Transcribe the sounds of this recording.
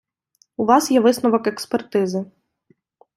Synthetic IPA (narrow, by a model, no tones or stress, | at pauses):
uʋɑsjɛʋɪsnɔʋɔkekspert̪ɪzɪ